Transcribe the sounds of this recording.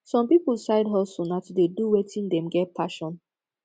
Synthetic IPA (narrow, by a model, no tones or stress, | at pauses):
sɔ̃mpipulsaɪdɦɔsonatudeduwetʰĩndɛ̃mɡɛt̚pʰaʃɔ̃n